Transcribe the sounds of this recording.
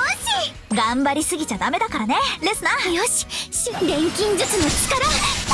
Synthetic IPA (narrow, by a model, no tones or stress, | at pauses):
joɕi | ɡãmbaɾʲisɨɡʲit͡ɕad̪ame̞d̪akaɾane̞ɾe̞sɨnajoɕi̥ɕɨd̪ẽ̞ŋkʲĩɲ̟d͡ʑɨsɨnot͡ɕi̥kaɾa